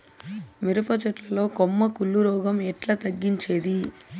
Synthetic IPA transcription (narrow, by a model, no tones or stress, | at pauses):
miɾupɐt͡ʃɐʈlɐlo̞ːkomːɐkulːuɾɔːɡɐmɛʈlɐt̪ɐɡːiɲt͡ʃe̞ːd̪i